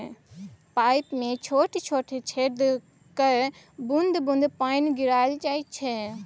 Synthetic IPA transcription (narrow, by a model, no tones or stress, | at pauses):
paɪpmẽt͡ʃʰoːʈʰt͡ʃʰoːʈʰt͡ʃʰed̪ | kəɾ | bund̪bũnd̪panɡiɾajlt͡ʃaːit͡ʃʰɛ